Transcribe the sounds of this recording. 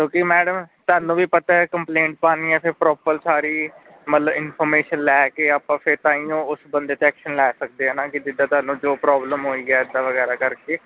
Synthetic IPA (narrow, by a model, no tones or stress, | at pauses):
t̪õːkimɛːɖəmt̪aːnũːʋiːpət̪aːɛkəmplẽːɳʈ̚paːniːɛ̃ːpʰɪɾpɾɔːpəɾsaːɾiː | mət̪ləbɪnpʰɔːɾmeːʃənlɛːkeːaːpãːpʰeɾt̪ãːiːõːʊsbənd̪eːt̪eɛːkʃənlɛːsək̚d̪eːɦɛːnãːkɪd͡ʒɪɖ̪ãːt̪aːnːũːd͡ʒoːpɾɔːbləmɦoːiːɡaːɪd̪aːʋəɣɛːɾaːkəɾkeː